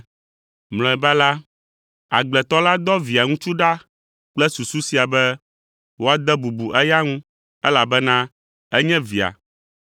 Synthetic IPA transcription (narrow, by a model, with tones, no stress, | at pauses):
ml̃ɔ̃˨ɛ˨ba˦la˦ | a̰˨ɡ͡blɛ˨t̪ɔ˦la˦d̪ɔ˦vi˨a˨ŋũ˦t͡ʃu˦ɖa˦ | k͡plɛ˦su˨su˦si˨a˨bɛ˦ | wo˦a˨d̪ɛ˦bu˨bu˨ʔɛ˦ja˦ŋũ˦ | ɛ˦la˨bɛ˦nã˦ | ɛ˦ɲɛ̃˦vi˨a̰˨